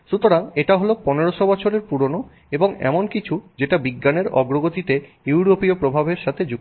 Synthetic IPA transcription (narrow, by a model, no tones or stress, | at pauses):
ʃut̪oɾaŋeʈaɦoloponeɾoʃobɔt͡ɕʰoɾeɾpuɾono | eboŋɛ̰monkit͡ɕʰud͡ʑeʈabiɡːaneɾɔ̰ɡɾoɡot̪it̪e | juɾopiopɾobʱabeɾʃat̪ʰed͡ʑu